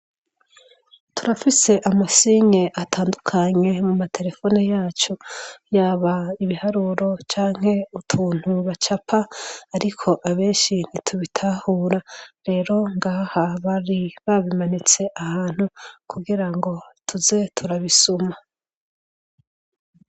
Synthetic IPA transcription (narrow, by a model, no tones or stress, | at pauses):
tʰuɾafise̞ʔamasiɲeʔatʰaːndukʰaɲe̞mumatʰe̞ɾe̞fo̞ːnijaːt͡ʃojaːβaiβihaɾuɾo̞t͡ʃaːŋ̥he̞utʰuːn̥huβat͡ʃapʰaːɾikʰo̞ʔaβe̞ːnʃin̥itʰuβitʰaːhuːɾaɾe̞ːɾo̞ŋɡaːhaβaɾiβaβimanit͡se̞ʔahaːn̥hukʰuɡiɾaŋɡo̞tʰuze̞tʰuɾaβisuma